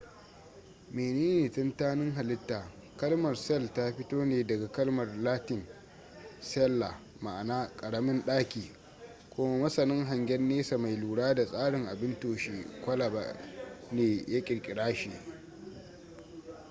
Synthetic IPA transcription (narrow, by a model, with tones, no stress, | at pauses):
meː˨neː˦neː˨tɐ˦ntaː˦nɪ˦ŋɦa˨lɪ˦tːaː˨ | kɐ˦lmɐ˨rsɛ˦lta˦ɸɪ˦toː˦neː˨dɐ˨ɡa˨kɐ˦lmɐ˨rlaː˦tɪ˨n | sɛ˦lːa˨ | ma̰˨ʔnaː˦kʼɐ˨ɽɐ˦mɪ˦nɗaː˦kʲiː˨ | kʷʊ˦ma˦mɐ˦sɐ˨nɪ˦ŋɦa˨ŋɡʲɛ˦nːeː˦sa˨ma˨jluː˨ɽaː˦da˨sʼaː˦ɽɪ˨ŋʔa˨bɪ˦ntoː˨ʃiː˦kʷɐ˦la˨ba̰˨neː˨ja˦kʲʼɪ˨ɽkʲʼɪ˨ɽaː˦ʃiː˨